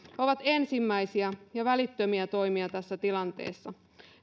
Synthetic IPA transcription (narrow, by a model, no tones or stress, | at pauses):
oʋɑt̪ensimːæisiæjɑʋælit̪ːømiæt̪o̞jmiɑt̪æsːæt̪ilɑnt̪e̞̰ːsːɑ